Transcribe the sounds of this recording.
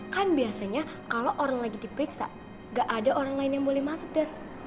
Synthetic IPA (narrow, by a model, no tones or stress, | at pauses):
kanbiasaɲakaloʔoɾaŋlaɡidipəɾiksa̰ | ŋɡaʔadaʔoɾaŋlaɪnjaŋbolɛhmasʊk̚dar